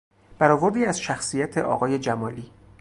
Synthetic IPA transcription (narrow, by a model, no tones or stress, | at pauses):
b̥æɾɒːvoɾd̪iːæzʃæxsijæt̪ʰe̞ʔɒ̰ːɣɒːje̞d͡ʒæmɒːliː